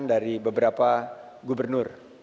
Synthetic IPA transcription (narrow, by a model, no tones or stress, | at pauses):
ndaɾibəbəɾapa | ɡubərnʊr